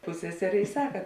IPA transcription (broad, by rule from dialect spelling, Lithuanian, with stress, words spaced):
ˈpʊsʲsʲɛsʲɛrʲeː ɪ ˈsɑːkɐ